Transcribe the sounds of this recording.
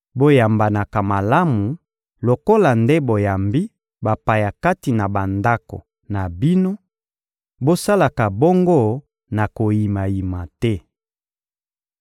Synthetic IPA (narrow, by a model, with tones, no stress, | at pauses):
bo˦ja˨mba˨na˨ka˨ma˨la˦mu˨ | lo˨ko˦la˨nde˦bo˨ja˨mbi˦ | ba˨pa˨ja˨ka˦ti˨na˨ba˨nda˦ko̰˨ | na˨bi˦no˦ | bo˦sa˦la˨ka˨bo˦ŋɡo˦˨ | na˨ko˨ji˨ma˨ji˨ma˨tɛ˦